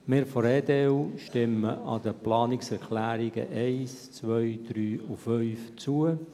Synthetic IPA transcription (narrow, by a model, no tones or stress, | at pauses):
mɪːɾfɔɾɛːd̪eɛwʃtɪməʔɑ̰d̪əplɑːnɪksɛɾkʰlæːɾɪɡ̥ə̰ʔɛɪst͡sʋœɥd̪̥ɾyːʊfœɥft͡suə